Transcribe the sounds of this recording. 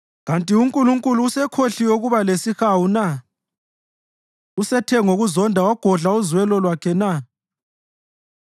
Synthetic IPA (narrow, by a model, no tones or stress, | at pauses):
ɣantʼiuŋkʼuluŋkʼuluːsɛkʰoɬiwoɣuβalesixawuna | usɛtʰɛŋoɣuzɔndʱawaɡ̥ʱɔɮauzwɛlɔlwakʰɛna